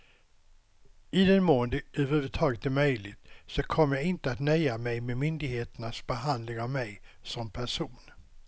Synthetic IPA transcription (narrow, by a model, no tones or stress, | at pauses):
ɪd̪ɛnmoːənd̪əʔʉhʉːvət̪ʰɑːɡət̪̚d̪ɛmœjlɪt̪sɔkʰɔmːəjaɪnt̪əat̪nœjamɛjmemʏnd̪ɪɡheːt̪əɳasbɛɦand̪lɪŋavmɛjsɔmpʰæʂuːn